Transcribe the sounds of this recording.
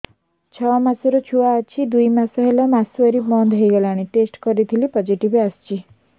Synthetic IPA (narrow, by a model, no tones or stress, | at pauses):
t͡ʃʰɔmasɔɾɔt͡ʃʰuaːt͡ʃʰid̪ujmasɔɦelɔmasuɔɾimɔnd̪ʱɦɔjɡɔlaɽ̃iʈesʈkɔɾit̪ʰilipɔd͡ʒiʈibast͡ʃi